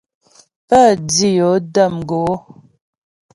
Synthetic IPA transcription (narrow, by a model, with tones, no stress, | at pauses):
pə˦˨d͡zi˦jɔ˨˦də˦˨mɡo˨˦